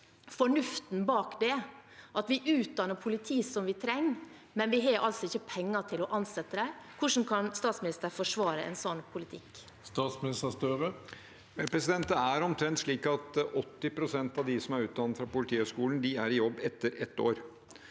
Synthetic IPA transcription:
fɔɳʉft̪n̩bɑːkd̪ɛʔɑt̪ʋɪʔʉːt̪̚d̪ɑnːəpʰʊlɪt̪ʰiːsɔmʋɪt̪ʰɾɛŋː | mɛnʋɪɦɑɾʔɑlsɔɪçːəpʰɛŋːɑt̪ʰɪlɔʔɑnsɛt̪ːəd̪æɪkʰʊʂn̩kʰɑnst̪ɑːt̪smɪnɪst̪əɾfɔʂʋɑːɾəɛ̰nsɔnpʰʊlɪt̪ʰɪk | st̪ɑːt̪smnɪst̪əst̪œɾə | pʰɾɛsɪd̪ɛnt̪əæɾɔmt̪ʰɾɛnt̪ʂɭiːkɑt̪ɔt̪ːɪpʰɾʊsɛnt̪ɑʋd̪ɪsɔmæɾʉːt̪̚d̪ɑnːət̪fɾɑpʊlɪt̪ʰiːœskuːln̩d̪ɪæɾɪjɔbːɛt̪ːəɾɛt̪ːoːɾ

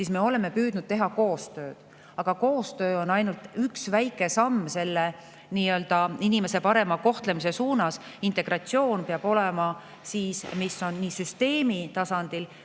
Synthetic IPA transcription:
siːsme̞o̞le̞me̞pyːd̪̥nud̪̥̚t̪e̞ɦɑko̞ːst̪ø̞ːd̪̥ | ɑɡ̥ɑko̞ːst̪ø̞ːo̞nːɑjnult̪yksvæjkːˑe̞sɑmːse̞lːe | niːø̞ld̪̥ɑinime̞sepɑɾe̞mɑko̞ht̪le̞mis̬e̞suːnɑsint̪ˑe̞ɡ̥ɾɑt̪sio̞ːnpeɑb̥o̞lemɑ | siːsmisːo̞nːiːsyst̪e̞ːmit̪ɑsɑnd̪̥il

